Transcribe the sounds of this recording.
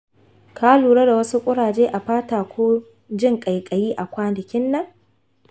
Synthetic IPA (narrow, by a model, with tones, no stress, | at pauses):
kʰaː˦luː˨ɽe˦da˨wɐ˦su˦kʷʼʊ˦ɽaː˨d͡ʒeː˦ʔa˨ɸaː˦taː˨kʷoː˦ | d͡ʒɪ˦ŋkʼa˨jkʼɐ˨jiː˦ʔa˨kʷaː˦nɪ˨kʲɪ˦nːɐ˦ŋ